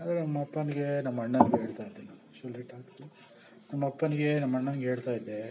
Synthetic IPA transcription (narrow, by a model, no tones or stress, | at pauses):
aːd̪ɾenɐmːɐpːɐniɡenɐmːɐɐɳːɐnɡeːɭt̪aːjid̪ːena | t͡ʃolːiʈaːksu | nɐmːɐpːɐniɡenɐmːɐɳːɐnɡeɦeːɭt̪aːjid̪ːe